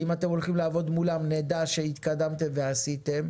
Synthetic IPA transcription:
imat̪e̞molχimlaːvo̞d̪mulamned̪aʃehit̪kad̪amt̪e̞mveasit̪em

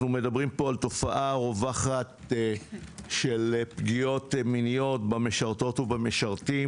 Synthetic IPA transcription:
nume̞dabʁimpo̞alt̪o̞faʔaʁo̞vaχat̪ | ʃelepɡijo̞tminijo̞t̪bameʃaʁt̪o̞t̪ubameʃaʁt̪i

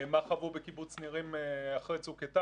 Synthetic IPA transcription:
maχavubekibut͡sniʁimeaχʁet͡suketa

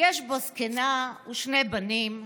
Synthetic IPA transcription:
jeʃboskenauʃnebanim

